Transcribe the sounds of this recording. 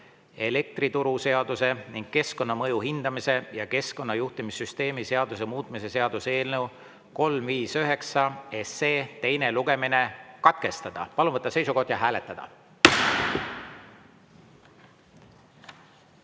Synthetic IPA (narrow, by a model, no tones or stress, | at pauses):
e̞le̞k̚t̪ɾit̪uɾuse̞ɑd̪̥use̞niŋɡ̥̚ke̞sko̞nːɑmɤjuɦind̪̥ɑmise̞jɑke̞sko̞nːɑjuht̪imisːyst̪e̞ːmise̞ɑd̪̥us̬e̞muːt̪ˑmise̞se̞ɑd̪use̞ːlnew | ko̞lmviːsøɦe̞ksɑe̞sːeːt̪e̞jne̞luɡ̥e̞mine̞kɑt̪ke̞st̪ɑd̪̥ɑ̰pɑlunvɤt̪ːˑɑse̞jsuko̞hd̪̥jɑɦæːle̞t̪ˑːɑd̪̥ɑ̰